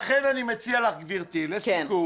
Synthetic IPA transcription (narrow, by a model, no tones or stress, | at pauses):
χenanimet͡sialaχɡviʁt̪ileskenku